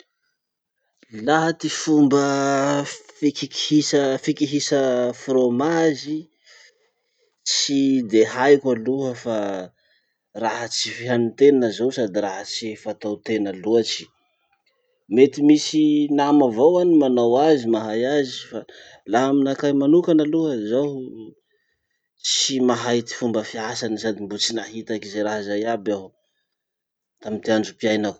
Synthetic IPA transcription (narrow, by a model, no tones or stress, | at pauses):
laɦat̪ifumbə | fikiki̥hisəfikiɦisəfromazi | t͡sid̪ehajkʷaluɦəfa | raɦət͡sifiɦanit̪enəzowsad̪iraɦət͡sifat̪awt̪enəluat͡ʃi̥ | met̪imisinamavowanimanawazimaɦajazifa | laɦaminakajmanukanəluɦəzaw | t͡simaɦajt̪i̥fumbəfiasanisad̪imbut͡sinaɦit̪akizeɾaɦazajaba | t̪amit̪iand͡ʒupiajnak